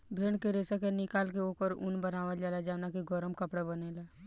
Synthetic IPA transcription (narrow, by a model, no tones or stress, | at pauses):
bʱeɳkeɾesəkenɪkaːlkeokəɾṵnbənaʋəd͡ʒaːlad͡ʒanakiɡɔɾəmkəpɽabənela